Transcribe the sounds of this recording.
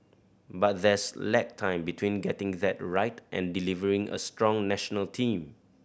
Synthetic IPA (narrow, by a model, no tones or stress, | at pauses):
bat̚dɛslɛk̚tʰãɪ̃mbitʰwĩnɡɛtɪ̃ŋðɛt̚ɹaɪtʔɛ̰̃ndilivəɹɪ̃ŋə̰stɹɔ̃ŋnɛʃənəltʰĩm